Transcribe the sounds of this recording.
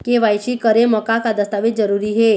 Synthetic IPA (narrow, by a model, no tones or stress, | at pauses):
keʋajt͡ʃikəɾemɔkakad̪əst̪aːʋit̪̚d͡ʒəɾuːɾiɦe